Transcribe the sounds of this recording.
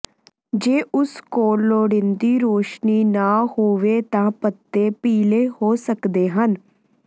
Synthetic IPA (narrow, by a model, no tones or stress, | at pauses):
d͡ʒeːʔʊskoːlːoːɽɪnd̪iːɾoːʃniːnaːhoːʋeːt̪ãːpət̪ːeːpiːleːhoːsəkd̪eːɦən